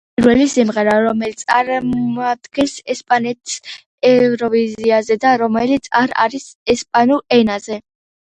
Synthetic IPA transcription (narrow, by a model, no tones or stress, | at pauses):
pʼɾvɛlisimʁɛɾaɾɔmɛlit̪sʼaɾad̪̥ɡɛnsɛspʼanɛt̪ʰis | ɛvɾɔviziazɛd̪aɾɔmɛlit̪sʰa̰ɾa̰ɾisɛspʼanuɾɛnazɛ